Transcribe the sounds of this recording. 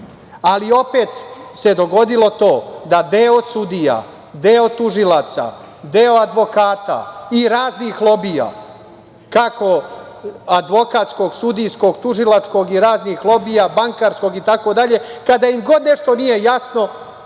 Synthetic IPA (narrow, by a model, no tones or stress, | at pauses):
alio̞pe̞ːt̪se̞d̪o̞ɡo̞d̪ilo̞t̪o̞ːd̪ad̪eosud̪ija̰ | d̪e̞o̞t̪uʒilaːt̪sa̰ | d̪e̞o̞ad̪ʋo̞kaːt̪a̰iɾaːznixlˠo̞bija̰ | kako̞ | ad̪ʋo̞kat̪sko̞ɡsud̪ijsko̞ɡt̪uʐilat͡ʂkoɡiɾaːznixlˠo̞bijabaŋkaɾsko̞ɡit̪ako̞d̪aʎe̞kad̪aimɡo̞d̪ne̞ʂt̪o̞nije̞jasno̞